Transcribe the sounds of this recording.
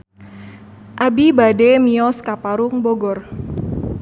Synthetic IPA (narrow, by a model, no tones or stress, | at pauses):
ʔabibademiɔskapaɾʊŋboɡɔr